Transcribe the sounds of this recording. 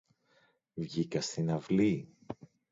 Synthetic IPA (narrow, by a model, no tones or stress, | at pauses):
vʝikɐst̪inɐvli